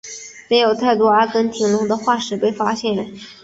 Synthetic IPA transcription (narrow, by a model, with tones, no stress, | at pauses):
me˧˥ɪjo˨˩ʊt̪ʰa˥˩ɪt̪wɔ˥˩ə˞˧˥kə˥nt̪ʰi˧˥ŋlʊ˧˥ŋd̪ə˧xwa˥˩ʂɻ̩˨˩pe˥˩ɪfa˥ɕjɛ˥˩n